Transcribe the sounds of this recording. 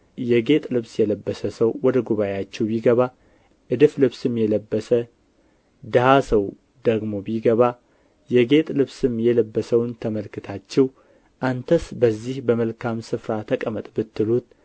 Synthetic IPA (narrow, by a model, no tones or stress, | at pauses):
jɛɡe̞t̪ʼlɨβsjɛləbːəsəsəwːɔd̪əɡuβaeat͡ʃːɛwbiɡəβa | ʔɨd̪ɨflɨβsɨmjɛləbːəsə | d̪əhasəw | d̪əɡmo̞biɡəβa | jɛɡe̞t̪ʼlɨβsɨmjɛləbːəsəwnt̪ʰəməlkɨt̪ʰat͡ʃːɛw | ʔant̪ʰəsbəzːihbəməlkʰamsɨfɾat̪ʰəkʼəmət̪ʼbɨt̪ːɨlut̪